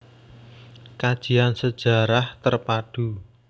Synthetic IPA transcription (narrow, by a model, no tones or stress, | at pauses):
kad̥ʒ̥i̤ansəd̥ʒ̥a̤ɾaht̪ərpad̥u